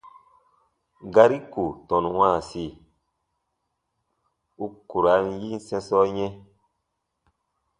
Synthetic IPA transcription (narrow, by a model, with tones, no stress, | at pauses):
ɡa˦ɾi˦ku˨tɔ̃˨nwãː˦˨si˦˨ | u˦ku˨ɾa˨˦nji˦n˦sɛ̃˦sɔ˦ɲɛ̃˦